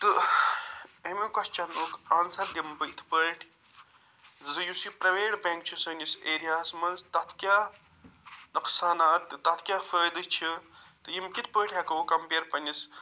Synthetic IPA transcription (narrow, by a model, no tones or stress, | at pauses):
t̪ɨ | emikɐst͡ʃɐnoːkaːnsɐɾd̪ʲimpəjt̪ʰpəːʈʲ | zɨjusipɾɐʋeːɖbẽŋk̚t͡ʃʰisənʲiseːɾijaːsmɐnzt̪ɐt̪ʰkʲjaː | nɐksaːnaːt̪t̪ɐt̪ʰkʲaːfəːjd̪ɨt͡ʃʰit̪ɨjimkit̪ʰpəːʈʰɐkɐkɐmpeːɾpɐnʲis